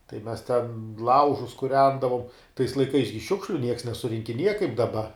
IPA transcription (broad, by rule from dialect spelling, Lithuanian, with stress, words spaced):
tɐɪ ˈmʲɛs ˈtʲɛn ˈlˠɐʊʒʊs kʊˈrʲɛndɐʋoːm tɐɪs lˠɐɪˈkɐɪs ɡʲɪ ˈʃʲʊkʃʲlʲʊ nʲiɛks nʲɛsʊrʲɪŋʲkʲɪˈnʲiɛjɛ kɐɪp dɐˈbɐ